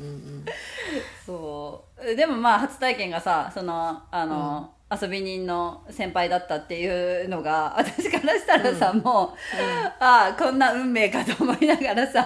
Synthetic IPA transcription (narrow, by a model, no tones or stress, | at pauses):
soː | d̪e̞mo̞maːɦat͡sɨ̥t̪aikẽ̞ŋɡasaso̞no̞ano̞ | aso̞bʲiɲ̟ĩnːo̞sẽ̞mpaid̪at̪ːat̪ːe̞jɯ̟ːno̞ɡaa̰t̪ḁɕi̥kaɾaɕi̥t̪aɾasamoː | akõ̞nːaɯ̟̃mːe̞ːkat̪o̞ːmo̞inaɡaɾasa